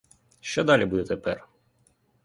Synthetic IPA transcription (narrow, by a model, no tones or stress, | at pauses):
ʃt͡ʃɔd̪ɑlʲibud̪ɛt̪ɛpɛr